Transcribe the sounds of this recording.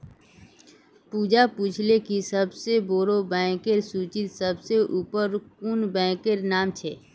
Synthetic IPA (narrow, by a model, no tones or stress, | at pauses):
puːd͡ʒapuːt͡ʃʰlekisəbseboːɾobɛ̃ːkeɾsuːt͡ʃɪt̪səbseʔuːpəɾkunbɛ̃ːkeɾnaːmt͡ʃʰeː